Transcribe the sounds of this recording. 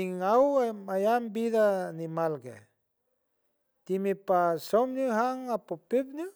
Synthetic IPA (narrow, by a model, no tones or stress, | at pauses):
iŋawajambiðanimalkḛ | t̪imipasɔmnuɦaŋapopep̚nu